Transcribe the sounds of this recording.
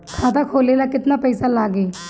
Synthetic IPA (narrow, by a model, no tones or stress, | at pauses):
kʰaːt̪akʰoːlelakɪt̪napɛɪsalaːɡeː